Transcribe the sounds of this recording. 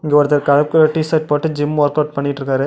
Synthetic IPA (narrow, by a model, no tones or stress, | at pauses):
ɪŋɡeʋɐɾɐt̪ːɐɾkɐɻɐkːɯɐʈːisɐʈ̚pɐːʈːɯd͡ʒɪmʋɐːɾkɐːʈ̚pɐɳːɪʈːrɾɯkːaːɾɯ